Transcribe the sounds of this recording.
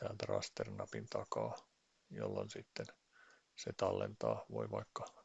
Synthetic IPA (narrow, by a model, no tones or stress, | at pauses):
t̪æːlt̪ærɑ̰st̪ernɑpint̪ɑkɑː | jolːonsit̪ːen | set̪ɑlːent̪ɑːʋoiʋɑikːɑ